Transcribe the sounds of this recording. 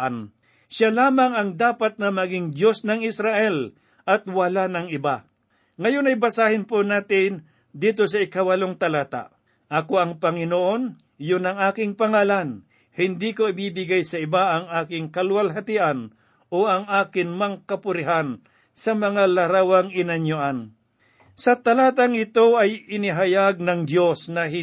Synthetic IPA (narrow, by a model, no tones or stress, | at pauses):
n | ʃalaːmɐŋɐŋd̪aːpat̪̚nɐmɐɡɪŋd̪jo̞snɐŋɪsɾaʔɛl | ʔɐt̪̚wɐlanɐŋɪba | ŋɐjonɐjbɐsaːhɪnponaːt̪ɪn | d̪iːt̪̬o̞sɐɪkawɐloŋt̪ɐlaːt̪a̰ʔ | ʔɐko̞ɐŋpɐŋɪnoʔo̞n | jʊnɐŋaːkɪŋpɐŋaːlan | hɪnd̪ikoɪbiːbɪɡajsɐɪbaʔɐŋaːkɪŋkɐlwalɦɐt̪ɪʔan | ʔoʔɐŋʔaːkɪnmɐŋkɐpʊɾɪɦan | sɐmɐŋalɐɾaːwɐŋɪnɐnjʊʔan | sɐt̪ɐlaːt̪aŋɪt̪o̞ɐjɪnɪɦɐjaɡ̚nɐŋd̪jo̞snɐɦɪ